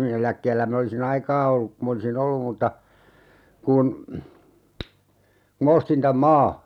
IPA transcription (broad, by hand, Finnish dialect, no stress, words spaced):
min elækːeːlːæ min olisin ɑikɑː olːuk ku m olisin olːum mutːɑ kun ku mɑ ostin tæm mɑː